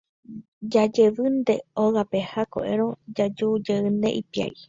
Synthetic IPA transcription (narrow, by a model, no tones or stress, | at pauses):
d͡ʒad͡ʒeʋɨnd̪e̞oɣape̞hako̰ʔḛɾ̃õ̞d͡ʒad͡ʒud͡ʒeɨne̞̰ʔipia̰i